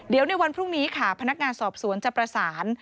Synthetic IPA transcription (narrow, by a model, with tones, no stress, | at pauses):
di˨˩˦wna˧jwa˧npʰɾu˥˩ŋniː˦˥kʰa˥˩pʰa˧na˦˥k̚ŋaː˧nsɔː˨˩p̚su˨˩˦ənt͡ɕa˨˩pɾa˧saː˩˦n